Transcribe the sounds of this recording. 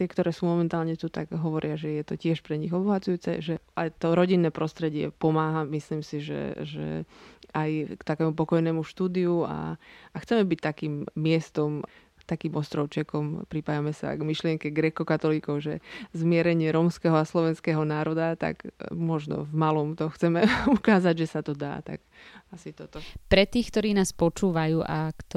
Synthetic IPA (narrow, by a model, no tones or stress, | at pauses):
t̪ɪɛkt̪ɔɾɛːsuːmɔmɛnt̪aːlɲɛt̪ut̪aɡɦɔʋɔɾɪaʒɛjɛt̪ɔcɪɛʃpɾɛɲiɣɔbɔɦat͡sujuːt͡sɛ̰ʒɛajt̪ɔɾɔɟinːɛːpɾɔst̪ɾɛɟɪɛ̰pɔmaːɦamisliːmsiʒɛ̰ʒɛ̰ajkt̪akɛːmupɔkɔjnɛːmuʃt̪uːd̪iua̰axt͡sɛmɛbic̚t̪akiːmːɪɛst̪ɔm | t̪akiːmɔst̪ɾɔʊt͡ʃɛkɔmpɾipajamɛsa̰ɡmiʃlɪɛŋkɛɡɾɛkɔkat̪ɔliːkɔʊʒɛzmɪɛɾɛɲɪɛɾɔːmskɛːɦɔaslɔʋɛnskɛɦɔnaːɾɔd̪at̪a̰ɡmɔʒnɔ̰vmalɔmt̪ɔxt͡sɛmɛukaːzaɟʒɛsat̪ɔd̪a̰ːt̪a̰ɡ | asit̪ɔt̪ɔpɾɛt̪iːxkt̪ɔɾiːnaːspɔt͡ʃuːʋajuːʔakt̪ɔ